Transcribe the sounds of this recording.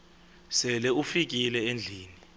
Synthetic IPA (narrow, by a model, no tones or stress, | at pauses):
sɛlɛufik̬ʼilɛend͡ɮʱiːni